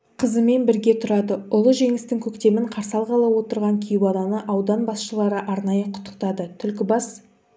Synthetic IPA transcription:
qʰəzəme̞nbɪɾɡʲe̞t̪ʰʊɾɑd̪əʊlˠəʒe̞ŋɪst̪ɪŋkʲʰɵkt̪e̞mɪɴqʰɑɾsɑlˠʁɑlˠɑwo̞t̪əɾʁɑŋkʲʰijɪbɑnˠɑnəʔɑwd̪ɑnbɑsʃəlˠɑɾəʔɑɾnɑjəqʰʊ̥t̪ːə̥qt̪ɑd̪ət̪ʰʏlkʲɪbɑs

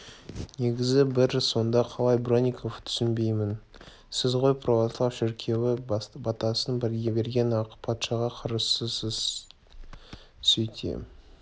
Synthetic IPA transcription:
ne̞ɡʲɪzɪbɪɾso̞nd̪ɑqʰɑlˠɑjbronʲikʰo̞ft̪ʰʏ̥sɪnbe̞jmɪn | sɪzʁo̞jpʰrovoslˠɑwʃɪɾkʲʰe̞wɪbɑt̪ɑsənbɪɾɡʲe̞be̞ɾɡʲe̞nɑqpʰɑt̪ʃɑʁɑqʰɑɾəssəsəz | sʏjt̪ʰḛ

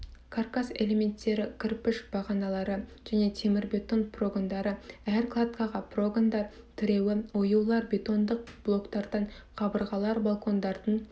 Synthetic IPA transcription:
kʰarkase̞le̞me̞nt̪ːe̞ɾɪkʲʰɪɾpɪʃb̥ɑʁɑnɑlˠɑɾəʒ̥æne̞t̪ʰe̞mɪɾbʲe̞t̪o̞npro̞ɡond̪ɑɾəæɾklˠad̪kɑʁɑpro̞ɡond̪ɑɾ | t̪ʰʏɾe̞wɪojuwlˠɑɾbʲe̞t̪o̞nd̪əq̚b̥lˠo̞kt̪ɑɾd̪̥ɑɴqʰɑbəɾʁɑlˠɑɾbalˠkʰo̞nd̪ɑɾd̪əɴ

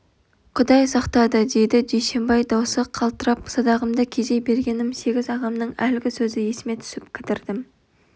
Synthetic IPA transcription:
qʰʊd̪ɑjsɑqt̪ɑd̪əd̪e̞d̪ɪd͡ʒejʃe̞mbɑjd̪ɑwsəqʰɑlˠt̪əɾɑpsɑd̪ɑʁəmd̪ɑkʲʰeʒe̞jbe̞ɾɡʲe̞nɪmse̞ɡʲɪzɑʁɑmnəɴælɪɡʲɪsɵzɪje̞sɪme̞t̪ʰʏ̥sɪpkʲʰɪt̪ɪɾd̪ɪm

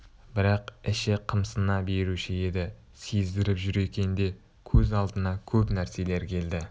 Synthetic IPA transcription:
bɪɾɑqɪʃɪqʰəmsənɑbe̞ɾuʃɪe̞d̪ɪ | sezd̪ɪɾɪpʒʏɾe̞kʲe̞nd̪e̞ | kʲʰɵzɑlˠd̪ənɑkʲʰɵpnæɾse̞le̞ɾkʲʰe̞ld̪ɪ

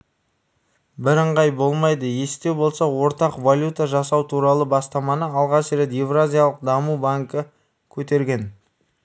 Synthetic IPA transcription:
bɪɾəɴʁɑjbo̞lˠmɑjd̪əje̞st̪e̞wbo̞lˠsɑwo̞ɾt̪ɑqvalʲjut̪aʒɑsɑwt̪ʰuɾɑlˠəbɑst̪ɑmɑnəɑlˠʁɑʃɾe̞t̪jevrazʲijalˠəq̚d̪ɑmubaŋkə | kʲʰɵt̪e̞ɾɡʲe̞n

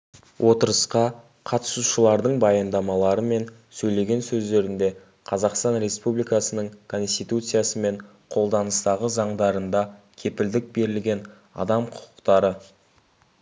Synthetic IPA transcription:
wʔo̞t̪əɾəsqɑ | qʰɑt̪ə̥suʃəlˠɑɾd̪əɴbɑjɑnd̪ɑmɑlˠɑɾəme̞n | sɵjle̞ɡʲe̞nsɵzd̪e̞ɾɪnd̪e̞ | qʰɑzɑqst̪ɑnɾe̞spublijkɑsənəɴkʰo̞nst̪ijt̪ut̪sɨjasəme̞ɴ | qʰo̞lˠd̪ɑnəst̪ɑʁəzɑɴd̪ɑɾənd̪ɑ | kʲʰe̞pɪld̪ɪk̚be̞ɾɪlɡʲe̞n | ɑ̰d̪ɑmqʰʊ̥qʰʊ̥qt̪ɑɾə

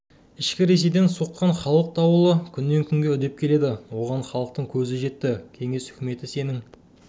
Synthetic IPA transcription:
ɪʃkʲɪɾe̞s̬e̞jd̪e̞nsoqːɑɴχɑlˠəq̚t̪ʰɑwəlˠəkʲʰʏnːe̞ŋkʲʰʏŋɡʲeʏd̪e̞p̚kʲʰele̞d̪ɪwo̞ʁɑɴχɑlˠəq̚t̪əɴkʲʰɵzɪʒe̞t̪ːɪkʲʰe̞ŋe̞shʏ̥kʲɪme̞t̪ɪse̞nɪŋ

